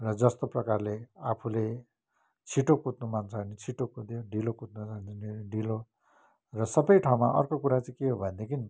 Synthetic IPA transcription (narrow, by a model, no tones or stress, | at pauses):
rʌd͡zʌst̪oprʌkarleapʰule | t͡sʰiʈokut̪numant͡sʰanit͡sʰiʈokud̪joɖilokut̪̚nut͡sant͡sineɖilo | rʌsʌbʌjʈʰaũmaʔʌ̰rkokuɾat͡saĩkeɦobʱʌnd̪ekʰini